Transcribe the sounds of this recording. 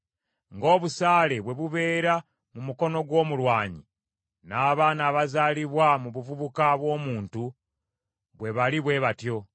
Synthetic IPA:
ŋɡo̞ːβusaːle̞βwe̞βuβe̞ːɾa | mumuko̞no̞ɡwo̞ːmulwaːɲi | naːβaːnaːβazaːliβwamuβuvuβukaβwo̞ːmuːntu | βwe̞βaliβwe̞βatjo̞

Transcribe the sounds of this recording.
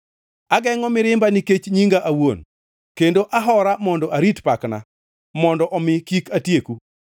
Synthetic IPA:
aɡɛŋɔmɪɾɪmbaniket͡ʃɲiŋɡaʔawon | kendoʔaɦɔɾamɔndɔʔaɾitpakna̰ | mɔndɔʔɔmɪkikatjeku

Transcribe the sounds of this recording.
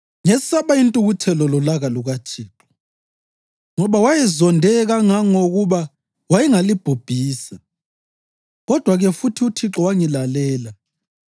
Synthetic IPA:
ŋɛsaβaintʼuɣutʰɛlɔlɔlaɣaluɣat͡ʃʰiːǁɔ̥ | ŋɔβawajɛzɔndʱɛɣaŋaŋoɣuβa | wajɛŋalib̥ʱub̥ʱiːsa | ɣɔd̥ʱwaɣɛfutʰiut͡ʃʰiǁɔwaŋilalɛːla

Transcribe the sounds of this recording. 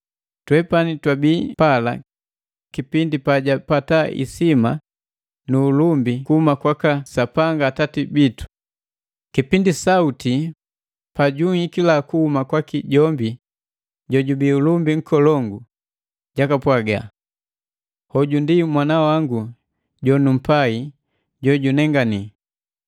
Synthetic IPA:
twɛpanitwabipala̰ | kipindipaɟapataʔḭsima | nuːlumbikuhumakwakasapaŋɡaːtatibitu̥ | kipindisauti | paɟuŋikilakuhumakwakiɟɔmbi | ɟɔɟubiulumbiŋ̩kɔlɔŋɡu | ɟakapwaɡa̰ | hɔɟundimwanawaŋɡu | ɟɔnum̩pai | ɟɔɟunɛŋɡani

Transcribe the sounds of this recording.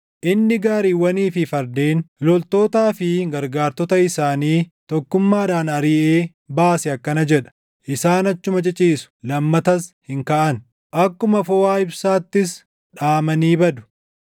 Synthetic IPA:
ʔɪnːɪɡaːɾiːwɐniːfɪfɐɾd̪eːnlɔlt̪o̞ːt̪aːfɪɡɐɾɡaːɾt̪ɔt̪ɐɪsaːniːt̪ɔkːʊmːaːᶑaːnɐɾɪʔeː | baːsɛɐkːɐnɐd͡ʒɛᶑɐ̥ | ʔɪsaːnɐt͡ʃːʊmɐt͡ʃʼɪt͡ʃʼiːsʊ̥lɐmːɐt̪ɐshɪŋkaʔɐn | ʔɐkːʊmɐfɔwaːɪbsaːt̪ːɪs | ᶑaːmɐniːbɐd̪ʊ̥

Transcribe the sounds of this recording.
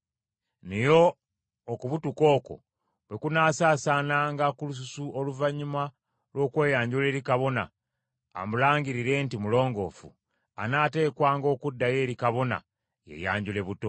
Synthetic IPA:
nejo̞ː | kuβutuko̞ːko̞̰ | βwe̞kunaːsaːsaːnaŋɡakulus̬usuʔoluvaɲuma | lwo̞ːkwe̞ːjaːɲɟule̞ːɾikaβo̞na̰ː | mulaːŋɡiɾiɾe̞ntimulo̞ːŋɡo̞ːfṵ | a̰naːte̞ːkwaːŋɡo̞ːkudːaje̞ːɾikaβo̞na̰ | jḛja̰ːɲɟule̞βuto̞

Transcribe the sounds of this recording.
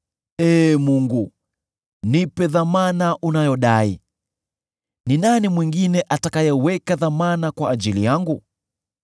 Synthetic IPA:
ɛmuŋɡu | nipɛðamanaʔunajɔɗai | ninanimwiŋɡinɛʔatakajɛwɛkaðamanakwaːʄilijaŋɡu

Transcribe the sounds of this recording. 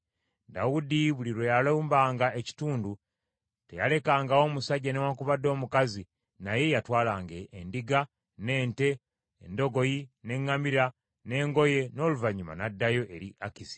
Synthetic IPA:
dawudiβuliɾo̞jaloːmbaːŋɡae̞ci̥tuːndu | te̞̰ja̰le̞kaːŋɡao̞ːmusaɟːanewakuβadːo̞ːmukazi | naje̞jatwaːlaːŋɡeːndiɡa | ne̞ːnte̞ | endo̞ɡo̞jine̞ŋːamiɾa | ne̞ːŋɡo̞je̞no̞ːluvaɲuma̰nadːajo̞ʔe̞ɾiʔakizi̥

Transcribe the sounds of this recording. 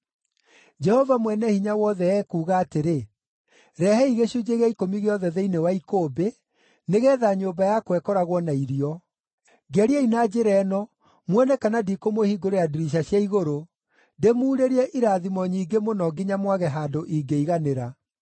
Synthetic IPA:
d͡ʒɛhɔvamwɛnɛhiɲawɔðɛɛkuːɣaːteɾe | ɾɛhɛiɣeɕud͡ʒeɣɛikomiɣeɔðɛðeinewaikoːbe | neɣɛːðaɲoːbajakwɛkɔɾaɣwɔnaiɾiɔ | ɡɛɾiainad͡ʑeɾɛːnɔ | mwɛnɛkanadikomohiɡoɾojaduɾiʃ̬aɕjaiɣoɾo | ndemuːɾeɾiɛʔiɾaːðimɔɲiːɡemonɔɡiɲamwaɣɛɦaːdoʔiɡeiɣaneɾa

